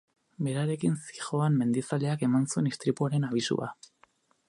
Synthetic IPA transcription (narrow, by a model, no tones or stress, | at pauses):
be̞ɾaɾe̞kinsi̥xo̞amme̞nd̪isale̞ake̞mansue̞nist̪ɾipuaɾe̞naβ̞isṵa̰